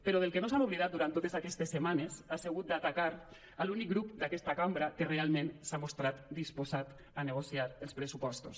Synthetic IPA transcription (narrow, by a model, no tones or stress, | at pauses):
peɾoðelˠkenosanuβliðat̪̚d̪uɾant̪ot̪ezakɛst̪esːemanezaseɣut̪̚d̪at̪akaɾ | alunik̚ɡɾup̚d̪akɛst̪akambɾakerealˠmẽnsamost̪ɾat̪d̪ispozat̪ | aneɣosiaɾəlˠspɾəsupɔst̪os